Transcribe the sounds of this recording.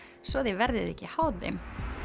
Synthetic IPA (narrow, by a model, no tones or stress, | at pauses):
svɔðevɛɾðɪðɛhcːɪhawðɪ̰m